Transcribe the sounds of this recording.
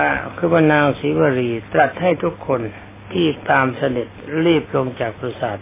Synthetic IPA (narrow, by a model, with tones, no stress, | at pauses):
kʰɯː˧baː˧˩naː˧ŋsiː˨˦waː˧ɾiː˧t̪ɾa˨˩t̪̚ha˥˩jt̪ʰu˦˥kʰːo˧n | t̪ʰiː˥˩t̪aː˧msa˧de˨˩t̪̚ɾi˥˩p̚lo˧ŋt͡ɕaː˨˩k̚pɾa˧saː˨˩t̪̚